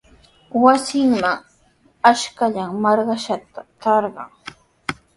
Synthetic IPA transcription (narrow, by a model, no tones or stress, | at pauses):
wasɪŋmaŋ | aʃkaʎaŋmɑɾɢɑʃat̪at̪ɑɾɢɑ̰ŋ